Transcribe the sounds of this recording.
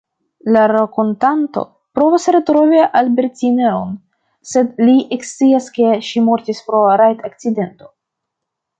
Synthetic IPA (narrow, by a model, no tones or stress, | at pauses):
laɾakontanto̞̰ | pɾo̞vasɾetɾo̞viʔalbeɾtineon | se̞dliʔekst͡siaske̞ʃimo̞ɾtispɾo̞ɾajt̪ʰak̚t͡side̞nto̞